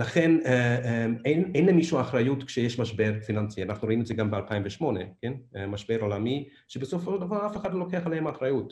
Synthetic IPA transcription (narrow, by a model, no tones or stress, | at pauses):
laχeneemenejnlemiʃuaːχɾajutkʃejeʃmaʃbeɾfinant͡sianaχnuɾoimetzeɡambealpaimveʃmo̞nekenemaʃbeɾolami | ʃebesofoʃeld̪avaʁafeχadlolokeaχalehemaχɾajut